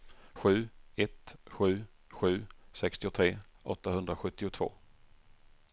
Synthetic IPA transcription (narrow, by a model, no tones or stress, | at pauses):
ɧʉ̟ːɛt̪ɧʉ̟ː | ɧʉ̟ːsɛkst̪ɪʊt̪ʰɾeːʔɔ̰t̪ːaɦɵnd̪ɾaɧɵt̪ːɪʊt̪ʰv̥o̰ː